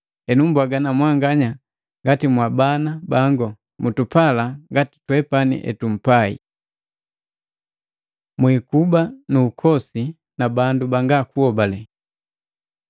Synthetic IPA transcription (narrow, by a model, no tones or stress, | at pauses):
ɛnumbwaɡanamwaŋɡaɲa | ŋɡatimwabanabaŋɡɔ | mutupalaŋɡati̥twɛpanḭʔɛ̰tum̩paḭ | mwikubanuːkʰɔsi | nabandubaŋɡakuɔbalɛ